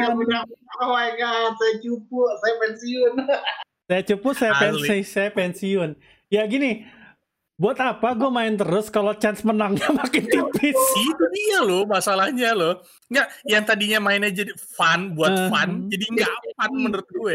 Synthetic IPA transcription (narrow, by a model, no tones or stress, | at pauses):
ɡamənaŋwaɡasajat͡ʃupʊsajapɛnsiʊn | sajat͡ʃupʊʔsajaɛnsisajapɛnsiʊn | jaɡini | buat̪apaɡuamaɪnt̪əɾʊskalot͡ʃansmənaŋɲamakɪnt̪ipɪsit̪uialomasalahɲaloh | ŋɡaʔjaŋt̪adiɲamaɪnad͡ʒadifanbuafand͡ʒadiŋɡafanməndərt̪u